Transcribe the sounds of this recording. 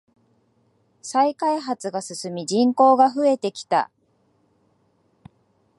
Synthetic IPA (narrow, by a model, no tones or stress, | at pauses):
saikaiɦat͡sɨɡasɨsɨmʲid͡ʑĩŋko̞ːɡaɸɯ̟e̞t̪e̞kʲi̥t̪a̰